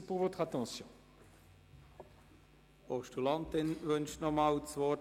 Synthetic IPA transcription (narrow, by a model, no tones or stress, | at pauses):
puʁvot̪χat̪ɑ̃sjɔ̃ | ɔʃtulɑ̃nt̪ɪnvʏnʃnɔmaːwsvɔ